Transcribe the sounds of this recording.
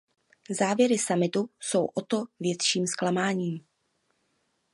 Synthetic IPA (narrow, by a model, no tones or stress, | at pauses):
zaːvjɛɾɪsamɪt̪uso̞wʔot̪o̞vjɛt̪ʃiːmsklamaːɲiːm